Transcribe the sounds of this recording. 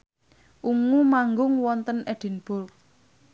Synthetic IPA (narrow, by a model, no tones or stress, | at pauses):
ʔuŋumaŋɡʊŋwɔnt̪əned̪̥i̤nb̥ʊl